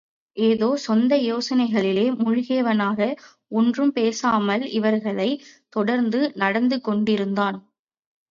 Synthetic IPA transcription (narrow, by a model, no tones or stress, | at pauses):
ʔeːðoːsɔnd̪ɐjoːsɐnɐɪɣɐɭɪleːmʊɻʊɣeːɐʋɐnaːɣɐ | ɔndrɯmpeːsaːmɐlɪʋɐɾɣɐɭɐɪt̪ɔɽɐɾnd̪ɯnɐɽɐnd̪ɯkːɔɳɖɪɾɯnd̪aːn